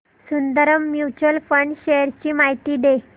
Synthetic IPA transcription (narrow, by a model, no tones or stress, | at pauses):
sund̪əɾəmːjut͡ɕəlfəɳɖɕeəɾt͡ɕiːmaɦit̪iːɖ̪e